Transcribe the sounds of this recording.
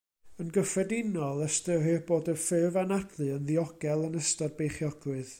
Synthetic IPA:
ənɡəfrɛdɪnɔlˠəstəɦɨrboːdərfɨvanadlˠɨənðiɔɡɛlˠənəstɔd̚bejχjɔɡ̥wɨð

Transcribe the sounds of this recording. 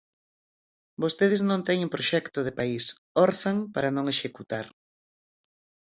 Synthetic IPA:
bost̪eð̞ɪznõnt̪ɛɲumpɾoʃɛkt̪oðepaisoɾθaŋpaɾanõŋeʃekut̪aɾ

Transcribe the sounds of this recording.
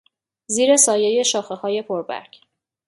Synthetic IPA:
ziːɾe̞sɒːje̞je̞ʃɒːxe̞hɒːje̞pʰoɾbæ̰ɾɡ

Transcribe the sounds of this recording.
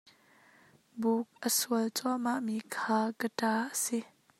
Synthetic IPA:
buk̚ʔəsuəlt͡sɔmaʔmikʰaːkətaːʔəsi

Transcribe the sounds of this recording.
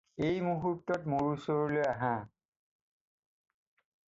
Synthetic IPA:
ejmuɦutːɔtmuɹusɔɹulojaɦã

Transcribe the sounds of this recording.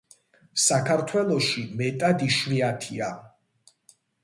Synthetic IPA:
sakʰaɾt̪ʰwɛlˠɔʃimɛt̪ʼad̪iʃviat̪ʰia

